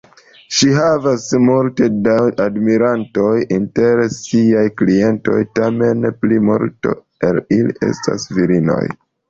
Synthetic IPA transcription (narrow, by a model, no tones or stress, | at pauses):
ʃiɦavasmulte̞dawadmiɾanto̞jinte̞ɾsiajklie̞nto̞̰jtame̞nplimṵɾto̞̰ | elilḭʔe̞̰sta̰sviɾino̞̰j